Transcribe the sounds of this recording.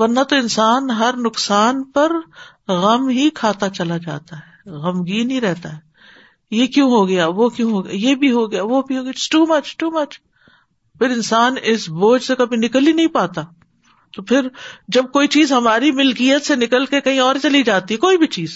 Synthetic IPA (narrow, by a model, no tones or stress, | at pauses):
ʋɐɾnat̪oɪ̃nsaːnɦɐɾnʊksaːnpɐɾ | ɣɐmɦikʰaːt̪at͡ʃɐlad͡ʒa̰ːt̪aɦɛːɣɐmɡiːnɦiɾɛɦt̪aɦɛː | jekjõɦoɡɐjaʋokjõɦoɡɐja̰jebʱiɦoɡɐjaʋobʱiɦoːɡsʈuːmɐt͡ʃʈuːmɐt͡ʃ | pʰɪɾɪ̃nsaːnɪsboːd͡ʒsekɐbʱinɪklinɐɦĩpaːt̪a | t̪opʰɪɾd͡ʒɐb̚koːit͡ʃiːzɦɐmaːɾimɪlkijət̪senɪkəlkekɐɦĩɔːɾt͡ʃɐlid͡ʒaːt̪iɦɛkoːibʱit͡ʃiːz